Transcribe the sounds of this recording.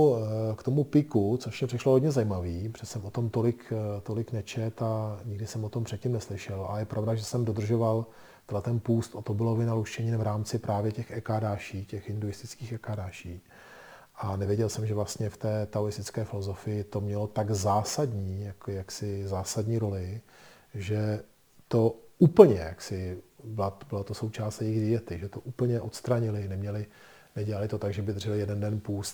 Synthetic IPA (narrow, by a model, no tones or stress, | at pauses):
kt̪o̞mupɪkut͡so̞ʃmɛpr̥ɪʃloɦodɲɛzajiːmaviːpr̥ɛsɛmot̪o̞mt̪o̞lɪkt̪o̞lɪknɛt͡ʃɛt̪aɲɪɡdɪsɛmʔot̪ompr̝̥ɛt̪̚cimnɛslɪʃɛla̰lɛjɛpɾʔavdaʒɛsɛmdo̞d̪r̩ʒo̞val | t̪ɛdlɛt̪ɛnpuːst̪ʔot̪obɪlovɪnaluʃt͡ʃɛɲɪnvɾaːmt͡sɪpɾʔaːvjɛcɛxɛkaːdaːʃiːcɛxʔɪnduɪst̪ɪt͡skiːxɛkaːdaːʃiː | ʔanɛvjɛɟɛlsɛmʒɛvlast̪ɲɛft̪ɛːt̪aoɾɪst̪ɪt͡skɛːfɪlo̞zo̞fɪjɪt̪o̞mɲɛlo̞t̪aɡzaːsadɲiːjakojaksɪzaːsadɲiːɾo̞lɪ | ʒɛ | t̪o̞uːpl̩ɲɛjaksɪbɪlabɪlat̪o̞so̞wt͡ʃaːst̪jɛjɪɣdɪjɛt̪ɪʒɛt̪oʔuːpl̩ɲɛʔo̞t̪st̪ɾaɲɪlɪnɛmɲɛlɪ | nɛɟɛlalɪt̪o̞t̪aɡʒɛbɪd̪rʒɛlɪjɛdɛndɛnpuːst̪